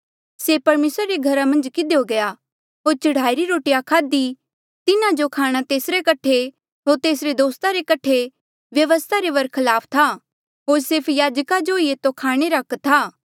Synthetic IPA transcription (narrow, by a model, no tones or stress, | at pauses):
sepɐɾmeːsɾaɾeɡʱɐɾamɐ̃nd͡ʒkɪd̪eoɡɐja | ɦoːɾt͡ʃɐɽ̤aːiɾiɾoːʈijakʰaːd̪i | t̪ɪnãd͡ʒokʰaːɽ̃at̪eːsɾekɐʈʰe | ɦoːɾt̪eːsɾed̪oːst̪ʰaɾekɐʈʰe | ʋjɐʋəst̪ʰaɾeʋɐɾkʰɐlaːpʰt̪ʰa | ɦoːɾsɪɾpʰjaːd͡ʒkad͡ʒoiet̪okʰaːɽ̃eɾɐkt̪ʰaː